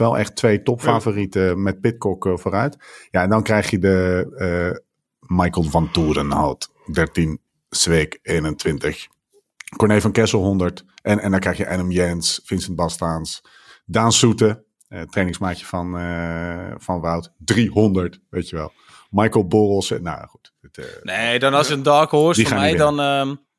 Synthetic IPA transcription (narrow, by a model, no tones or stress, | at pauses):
ʋɛlˠɛ̰χtʋejtɔpfaːvoːritəmɛt̚pɪt̚kɔkfoːɾœɥtjaɛndɔnkrɛjχjədə | majkəlˠʋɑntuːdənho̰wt | dɛɹtin | sʋeːkeːnəntʋɪntəx | kɔɹnejfɑnkɛsəl̩ˠɦɔndəɹtɛnɛndɔnkrɛjxjəʔɛnəmjɛnsfɪnsɛn̚bɔstans | daːnsutə | trejnɪ̃ŋsmaːkjəfɔn | fɔnʋawtdriɦɔndəɹtʋejtəʋɛ̰lˠ | majkəlˠborɔsəna̰wχut | ɪtnedɔnɔsjəəndɔːkoːdiχaːnɛjdɔnəm